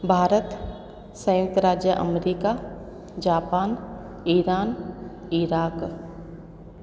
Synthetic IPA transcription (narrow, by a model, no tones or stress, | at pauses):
bʱaːɾət̪ | sə̃jʊ̃kt̪əɾaːd͡ʒjəʔə̰mɾiːka | d͡ʒaːpaːn | iɾaːniɾaːk